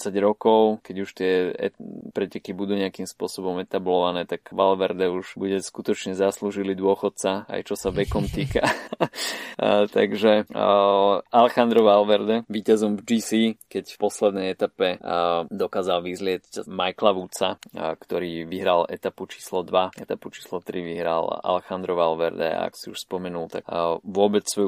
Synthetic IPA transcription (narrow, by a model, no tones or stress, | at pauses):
saɟɾɔkɔʊkɛɟuʃt̪ɪɛɛ̰pɾɛcɛkibud̪uːɲɛakimspʊɔsɔbɔmɛt̪ablɔʋanɛːt̪aɡʋalʋɛɾd̪ɛuʒ̥buɟɛskut̪ɔt͡ʃɲɛzasluʒilid̪ʊɔxɔt̪̚t͡saa̰jt͡ʃɔsaʋɛkɔmt̪iːka | t̪a̰ɡʒɛ | alɛxand̪ɾɔʋalʋɛɾd̪ɛʋiːcazɔmvd͡ʒiːsiːkɛcfpɔslɛd̪nɛjɛt̪apɛd̪ɔkaːzalʋizlɪɛt͡scmajklaʋut͡sakt̪ɔɾiːʋiɦɾalɛ̰t̪aput͡ʃi̥ːslɔd̪ʋaɛt̪aput͡ʃi̥ːslɔt̪ɾiʋiɦɾa̰la̰lɛxand̪ɾɔʋalʋɛɾd̪ɛ̰a̰a̰kɔ̥siuʃspɔmɛnult̪aʋʊɔbɛt͡ssʋɔju